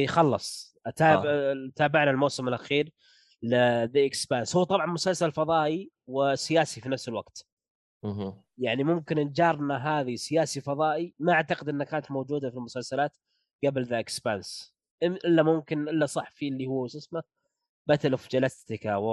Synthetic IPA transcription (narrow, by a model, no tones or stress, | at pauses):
ʔiːxɑlːɑsˤʔat̪aːt̪aːbɪʕnalmoːsɪmɪlʔaxiːɾ | lɪðaʔɪkspanshuːt̪ˤɑbʕɑnmʊsalsalfɑðˤɑːʔi | wɪsɪjaːsifinafsɪlwaɡ̥t̪ | jaʕnimʊmkɪnnd͡ʒɑːɾˤnaɦaːðisɪjaːsifɑðˤɑːʔimaʔaʕt̪aqɪd̪ʔɪnːakaːnat̪mowd͡ʒuːd̪afilmʊsalsalaːt̪ | ɡablðaʔɪkspans | ʔɪʔɪlːamʊmkɪnʔɪlːasˤɑħfiʔlːihʊwːsɪsma | bat̪alʊfd͡ʒalast̪ɪkawɪ